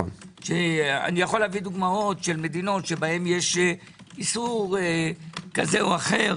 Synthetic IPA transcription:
ʃea̰nijaχo̞lavid̪uɡmao̞t̪ʃe̞lme̞d̪ino̞tʃe̞bahe̞mjeʃ | isuʁ | kazeoaχe̞ʁ

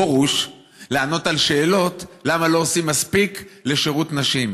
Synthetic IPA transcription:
oʁuʃ | leano̞talʃe̞ːlo̞tlamalo̞osimːaspikle̞ʃeʁut̪naʃim

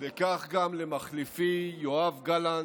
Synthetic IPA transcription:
vekaχɡamlemaχlifijoavɡalan

